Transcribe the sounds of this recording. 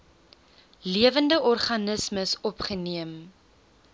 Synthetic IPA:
liəvəndəʔɔrχɐnəsməsɔpχəniəm

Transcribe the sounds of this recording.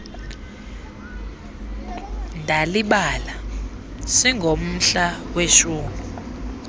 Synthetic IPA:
ndʱaliɓala | siŋʱom̩ɬaweʃuːŋu

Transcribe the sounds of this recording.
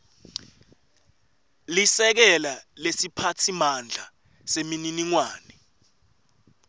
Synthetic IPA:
lisɛk̬ɛlalesipʰatʰimand͡ɮʱa | semininiŋwaːnɛ

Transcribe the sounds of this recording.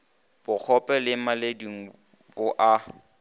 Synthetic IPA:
b̥ʊk͡xʰɔpʼɛlɪmalediŋ̩ | bʊʔa

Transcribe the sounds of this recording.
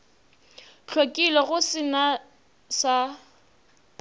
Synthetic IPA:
t͡ɬʰwokʼilɔɣʊsɪna | sa

